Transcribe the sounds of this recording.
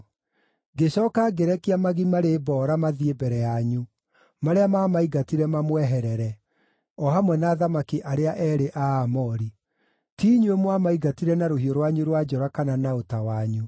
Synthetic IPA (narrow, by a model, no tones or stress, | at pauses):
ɡeɕɔːkaɡeɾɛkeamaɣimaɾebɔːɾamaðiebɛɾɛjaɲu | maɾeamamaiɡatiɾɛmamwɛɦɛɾɛɾɛ | ɔhamwɛnaːðamakiʔaɾeaʔɛɾeʔaːmɔɾi | tiːɲuemwamaiɡatiɾɛnaɾoɦioɾwaɲuɾwad͡ʒɔɾakananaotawaɲu